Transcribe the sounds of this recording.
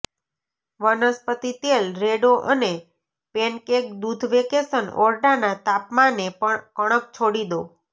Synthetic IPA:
ʋənəspət̪it̪elɾeɖoʔəne | penkek̚d̪ud̪ʱʋekesənɔɾɖanat̪apmanekəɽ̃ək̚t͡ʃʰoɽid̪o

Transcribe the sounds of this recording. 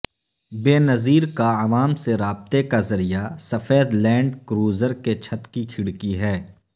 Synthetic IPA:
beːnɐziːɾkaɐʋaːmseɾaːb̚t̪ekazɐɾijasɐfeːd̪lɛ̃ːɳɖkɾuːzəɾket͡ʃʰɐt̪kikʰɪɽkiɦɛː

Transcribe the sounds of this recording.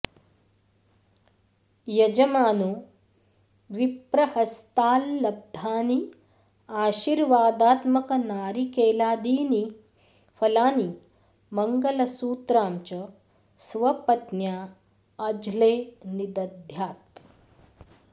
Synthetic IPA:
jɐd͡ʒɐmaːnu | ʋipɾɐhɐst̪aːlːɐb̚d̪ʱaːni | aːɕiːɾʋaːd̪aːt̪mɐkɐnaːɾikeːlaːd̪iːni | fɐlaːni | mɐŋɡɐlɐsuːt̪ɾaːmt͡ɕɐ | sʋɐpɐt̪njaː | d͡ʒleːnid̪ɐd̪ʱjaːt̪

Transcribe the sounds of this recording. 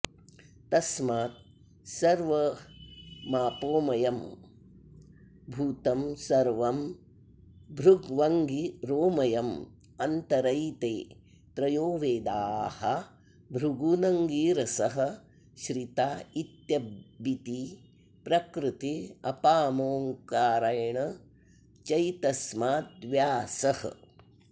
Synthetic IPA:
t̪ɐsmaːt̪̚ | sɐɾʋɐ | maːpoːmɐjɐm | bʱuːt̪ɐmsɐɾʋɐm | bʱɾuɡʋɐŋɡiɾoːmɐjɐm | ɐnt̪ɐɾɐjt̪eː | t̪ɾɐjoːʋeːd̪aːhɐ | bʱɾuɡunɐŋɡiːɾɐsɐɦɐ̆ | ʃɾit̪aːit̪jɐbit̪i | pɾɐkɾɪt̪iɐpaːmoːŋkaːɾɐjɐɳɐ | t͡ʃɐjt̪ɐsmaːd̪ʋjaːsɐhɐ̰

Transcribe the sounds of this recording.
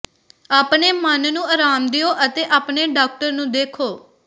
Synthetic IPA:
aːpɳeːmənnũːəːɾaːmd̪ɪjoːʔət̪eːʔaːpneːɖaːk̚ʈəɾnũːd̪eːkʰoː

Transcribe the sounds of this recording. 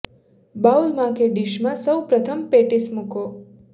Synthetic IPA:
baulmãkeɖiʃmãsəwpɾət̪ʰəmpeʈismũko

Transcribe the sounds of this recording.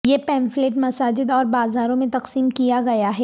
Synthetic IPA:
jeːpɛ̃ːnfleːʈmɐsaːd͡ʒɪd̪ɔːɾbaːzaːɾõmẽt̪ɐqsiːmkijaɡɐjaɦɛː

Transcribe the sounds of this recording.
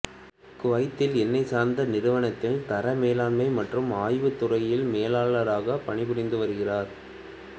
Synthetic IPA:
kʊʋɐɪt̪ːɪlɛnːɐɪsaːɾnd̪ɐnɪɾɯʋɐɳɐt̪ːɪlt̪ɐɾɐmeːlaːlmɐɪmɐʈrɯmaːjʋɯt̪ːʊrɐjɪlmeːlaːɭɐɾaːɣɐpɐɳɪpʊɽɪnd̪ɯʋɐɾɯɣɪraːɾ

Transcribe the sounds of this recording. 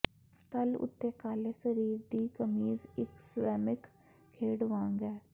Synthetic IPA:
t̪ɐlʊ̰t̪ːeːkaːlesəɾiːɾd̪iːkəmiːzɪkswɛːmɪk | kʰːeːɽʋãːŋɡɦɛː

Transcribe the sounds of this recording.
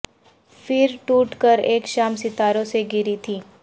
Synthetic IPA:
fɪɾʈuːʈkəɾeːkʃaːmsɪt̪aːɾõseɡɪɾit̪ʰiː

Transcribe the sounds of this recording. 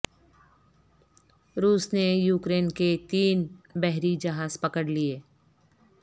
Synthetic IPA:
ɾuːsnejuːkɾeːnket̪iːnbɛɦɾid͡ʒɐɦaːzpɐkəɽlieː

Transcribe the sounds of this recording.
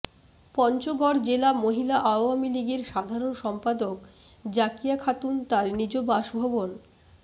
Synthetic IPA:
pɔnt͡ɕoɡɔɽd͡ʑelamoɦilaʔaoamiliɡeɾʃad̪ʱaɾonʃɔmpad̪ok | d͡ʑakijakʰat̪unt̪aɾnid͡ʑobaʃbʱobon

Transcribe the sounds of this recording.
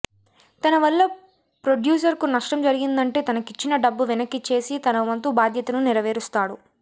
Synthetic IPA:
t̪ɐnɐʋɐlːɐ | pɾoɖjuːs̬ɐɾkunɐʂʈɐmd͡ʒɐɾiɡind̪ɐɳʈe̞ːt̪ɐnɐkit͡ʃːinɐɖɐbːuʋinɐkːit͡ʃe̞ːsit̪ɐnɐʋɐnt̪ubaːd̪ʱjɐt̪ɐnuniɾɐʋe̞ːɾust̪aːɽu

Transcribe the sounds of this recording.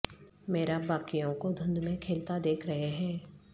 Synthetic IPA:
meːɾabaːkijõkod̪ʱʊ̃nd̪mẽkʰeːlt̪ad̪eːkʰɾɐɦeɦɛ̃ː

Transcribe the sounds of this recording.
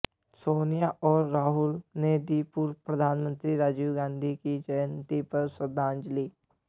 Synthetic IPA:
soːnijaʔɔːɾːaːɦʊlned̪ipuɾpɾəd̪ʱaːnmə̃nt̪ɾiɾaːd͡ʒuɡãːnd̪ʱikit͡ʃəjnt̪ipəɾsəd̪ãːnd͡ʒliː

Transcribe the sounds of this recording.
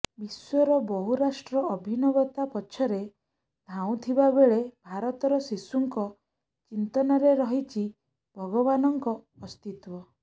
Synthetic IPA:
biswɔɾɔbɔɦuɾasʈɾɔɔbʱinɔbɔt̪apɔt͡ʃʰɔɾe | d̪ʱaw̃t̪ʰibabeɭebʱaɾɔt̪ɔɾɔsisuŋkɔ | t͡ʃint̪ɔnɔɾeɾɔɦit͡ʃʰi | bʱɔɡɔbanɔŋkɔː | st̪it̪wɔ

